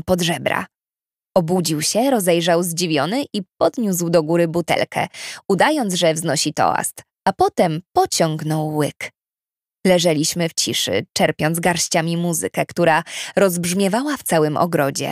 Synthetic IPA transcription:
pɔd̪ʐɛbɾa̰ | ɔbud͡ʑiwɕɛɾɔzɛjʐawzd͡ʑivʲjɔnɘʔipɔd̪ɲuswd̪ɔɡuɾɘbut̪ɛ̰lkʰɛ̰ud̪ajɔnt̪zʐɛvznɔɕit̪ɔ̰a̰st̪ | apɔt̪ɛmpɔt͡ɕɔŋɡnɔwːɘk | lɛʐɛlʲiɕmɘft͡ɕiʂɘ̰t͡ʂɛɾpʲjɔnzɡaɾɕt͡ɕamʲimuzɘ̰kɛkt̪uɾaɾɔzbʐmʲjɛvawaft̪sawɘmʔɔ̰ɡɾɔd͡ʑɛ̰

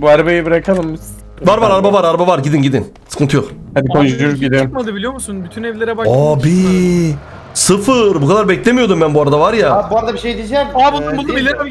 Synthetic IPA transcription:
buaɾbejibiɾakʰalˠɯmbis | vaɾvaɾaɾbavaɾaɾbavaɾɟid̪inɟid̪in | sɯ̥kʰɯnt̪ʰɯjokhad̪ikʰond͡ʒyd̪yɾɟid̪emad̪ɯbilʲijo̞musunbyt̪ʰynɛvlʲeɾɛbaabi | sɯfɯɾbukʰad̪aɾbɛclʲemijo̞d̪umbænbuaɾad̪avaɾjaabuaɾad̪abiʃejd̪id͡ʒɛmabulˠumbulˠd̪ubilʲiɾab

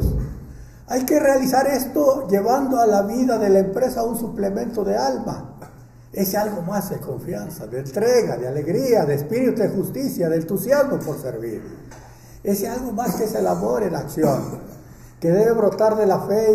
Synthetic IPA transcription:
ajke̞realisaɾe̞st̪oʝe̞βand̪oalaβiðaðe̞laempɾe̞saunsuple̞mẽ̞nt̪o̞ðealma̰ | e̞sealɣo̞mazd̪e̞ko̞ɱfjansaðeeːnt̪ɾeɣaðeale̞ɣɾiaðeːspiɾit̪uðexust̪isjaðent̪usjazmopo̞ɾsḛɾβḭɾ | e̞sealɣo̞maskeeselamoɾenaksjo̞n | ke̞ðe̞βe̞βɾo̞t̪aɾðe̞lafe

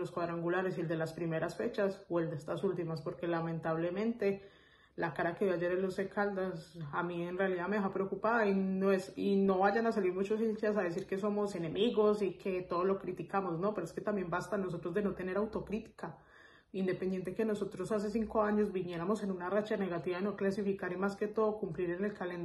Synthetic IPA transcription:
loskwaðɾaŋɡulaɾe̞sie̞ld̪e̞laspɾime̞ɾasfe̞t͡ʃasoe̞ld̪est̪asult̪imaspo̞ɾke̞lamẽ̞nt̪aβle̞mẽ̞nt̪e̞ | lakaɾake̞ðjad͡ʒe̞ɾelo̞sekʰald̪asamienrealiðameeɦapɾeokupaðainoesino̞βaʝanas̬aliɾmut͡ʃo̞silt͡ʃas̬aðe̞s̬iɾke̞so̞mo̞se̞ne̞miɣo̞sikʰe̞t̪o̞ðolo̞kɾit̪ikamo̞zno̞peɾoeske̞t̪ambje̞mbast̪ano̞s̬o̞t̪ɾo̞zd̪e̞no̞t̪e̞ne̞ɾawt̪o̞kɾit̪i̥ka | ind̪e̞pe̞nd̪je̞nt̪e̞ke̞no̞so̞t̪ɾosas̬e̞s̬iŋko̞aɲo̞zbiɲje̞ɾamo̞se̞nunarat͡ʃane̞ɣat̪iβaino̞klasifikaɾimaske̞t̪o̞ðokumpliɾene̞lkalend̪

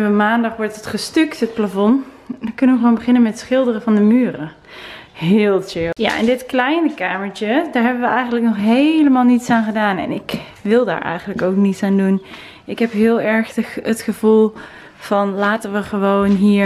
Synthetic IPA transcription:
əʋəmaːndɑχʋɔɹtətχəstʏktɦət̚plavɔn | dkɵnənʋəxʋoːnbəχɪnənmɛtətsχɪlˠdərəvɑndəmyːrə | ɦɪːlˠteja̰ʔɪ̰ndɪtklɛjnəkaːməɹt͡ʃədaːɹɦɛbənʋəʔɛjχəndləknɔχɦejləmaːlˠnitsaːnχədaːnɛ̰nɪk | ʋɪlˠda̰ːɹʔɛ̰jχənləkowknitsaːndun | ɪkɦɛpɦɪːlˠɛɹχətχəv̥ulˠ | v̥ɑnlaːtənʋəχəʋownɦiːɹ

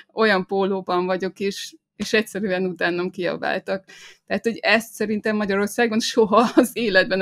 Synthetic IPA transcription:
ʔo̞jɒmpoːloːbɒɱvɒɟo̞kiʃ | eːʃɛcsɛɾyɛnut̪aːnːɒmkiɒ̰ba̰ːlt̪ɒkt̪ɛɦat̪ho̞ɟɛst̪sɛɾint̪ɛmːɒɟɒɾo̞rsaːɡo̞nʃo̞ɦɒːzeːlɛd̪̚bɛn

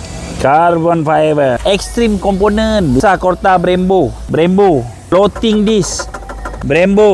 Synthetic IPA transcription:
karbɔnfaevəɛkst̪ɾimkɔmponə̃nbisakɔrt̪abɾɛmbobɾɛmbo | lot̪iŋdis | bɾɛmbo

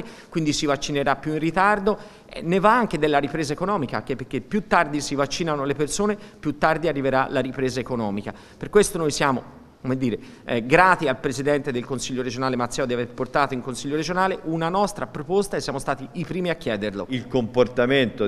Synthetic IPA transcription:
e | kwind̪isivat͡ʃːineɾapːjuinrit̪ard̪o | ɛ̰nːevaaŋked̪elːaɾipɾeːzaekonɔːmikak̟eperk̟epːjut̪ːard̪isivat͡ʃːiːnanolepersoːnepjut̪ːard̪iarːiveɾalːaɾipɾeːzaekonɔːmika | perkwest̪onojsjaːmo | komed̪ːiːɾe | ɛɡɾaːt̪ialpɾezid̪ɛnt̪ed̪elkonsiʎːoɾed͡ʒonaːlemat̪sːɛːod̪iaverport̪aːt̪oiŋkonsiʎːoɾed͡ʒonaːleʔunanɔst̪ɾapɾopost̪aesːjaːmost̪aːt̪iipɾiːmiakːjɛːd̪erlo̰ilkomport̪ament̪o

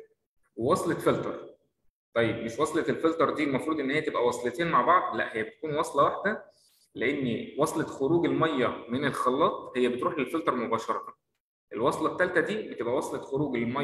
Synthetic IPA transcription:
wwɑsˤlefelt̪ɑɾˤ | t̪ˤɑjːebmeʃwɑsˤleelfelt̪ɑɾˤd̪iːlmɑfɾˤuːd̪ˤʔenːhejːæt̪ebʔæwɑsˤlet̪eːnmaʕbɑʕd̪læʔhejːæbet̪ækuːnwɑsˤlɑwaħd̪æ | leʔenːwɑsˤlexoɾuːɡelmɑjːɑmenelxɑlːɑːt̪ˤhejːæbet̪ɾuːħelfelt̪ˤɑɾˤmobɑːʃɑɾˤɑt̪ɑ | ʔelwɑsˤlɑt̪ːælt̪æd̪iːbet̪ebʔæwɑsˤlexoɾuːɡlmɑj

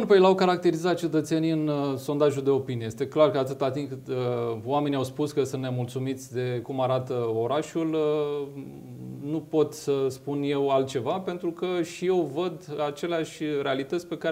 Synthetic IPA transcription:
npejelawkaɾak̚t̪e̞ɾizat̪̚t͡ʃe̞t̪ət̪se̞niɨnso̞nd̪aʒuld̪e̞o̞piniejest̪e̞klarkəat̪ɨt̪at̪inkɨt̪əowame̞niawspuskəsunt̪nemult̪sumit̪sʲd̪e̞kumaɾat̪əo̞ɾaʃulə | nupo̞t̪səspunje̞walt̪̚t͡ʃe̞vape̞nt̪ɾukəʃije̞wvəd̪at͡ʃe̞leaʃʲɾe̞alit̪ət̪sʲpe̞ka

